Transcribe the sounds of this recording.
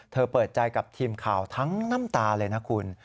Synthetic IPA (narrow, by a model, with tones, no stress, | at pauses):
t̪ʰɤː˧pɤː˨˩t̪̚t͡ɕa˧jka˨˩p̚t̪ʰiː˧mkʰaː˨˩wt̪ʰa˦˥ŋna˥˩˨mt̪aː˧lɤː˧jnaː˦˥kʰu˧n